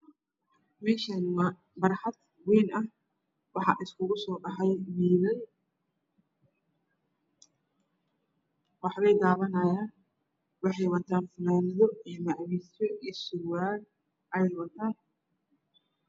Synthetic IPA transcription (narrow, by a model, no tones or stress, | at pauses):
mɛːʃɐnw | bɐrħɑd̪ | wɛːnɐh | wɑħɑ̰ʔɪskʰʊɣʊsɔːɖɑħɑjmiːðɐj | wɑħβɛjd̪aːβɐnɐːjaːn | wɑħɑjwɐt̪ʰaːnfɐnaːnɪðɔiːmɑʕwiːsɔʔiːsʊwaːl | ʔɐjɛjwɐt̪ʰaːn